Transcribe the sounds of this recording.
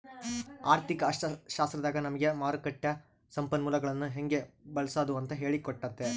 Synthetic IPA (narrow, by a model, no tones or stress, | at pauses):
aːɾt̪ɪkːɐːʂɐʃaːst̪ɾɐðaːɣɐnɐmɐɡemaːɾɯkːɐʈːɐ | sɐmpɐnmuːlɐɣɐɭɐnːɯɦɛŋɡebɐlsaːðɯʋɐnt̪ɐɦeːɭikːɔʈːɐt̪ːe